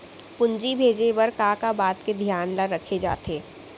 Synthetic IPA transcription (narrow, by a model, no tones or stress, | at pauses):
pʊɲd͡ʒibʱeːd͡ʒeʋɐɾkaːkabaːt̪ked̪ʱjaːnlaɾəkʰed͡ʒa̰ːt̪eː